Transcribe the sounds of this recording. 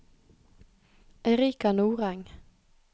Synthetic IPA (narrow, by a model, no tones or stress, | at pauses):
ɛʁiːkanuːʁɛŋ